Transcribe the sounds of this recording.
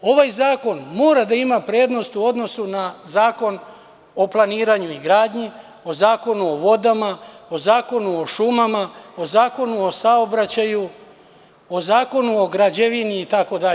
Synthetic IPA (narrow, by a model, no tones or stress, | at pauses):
o̞ʋajzaːko̞nmo̞ːɾad̪aimapɾe̞ːd̪no̞st̪uo̞d̪no̞sunazaːko̞n | o̞planiːɾaɲuiɡɾaːd̪ɲi | o̞zaːko̞nuo̞ʋo̞d̪amao̞zaːko̞nuo̞ʃumamao̞zaːko̞nuo̞sao̞bɾat͡ɕaju | o̞zaːko̞nuo̞ɡɾad͡ʑeʋiniːt̪ako̞d̪a